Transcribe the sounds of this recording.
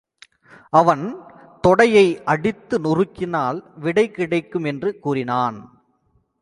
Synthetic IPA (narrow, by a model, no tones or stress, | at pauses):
ʔɐʋɐn | t̪ɔɽɐjɐɪʔɐɽɪt̪ːɯnʊrɯkːɪnaːlʋɪɽɐɪkɪɽɐɪkːɯmɛndrɯkuːrɪnaːn